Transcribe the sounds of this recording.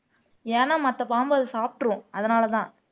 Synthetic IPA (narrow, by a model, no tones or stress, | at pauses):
eːnaːmɐt̪ːɐpaːmbɐɐðɯsaːp̚ʈɯɾʊ̃ɐðɐnaːlɐt̪ãː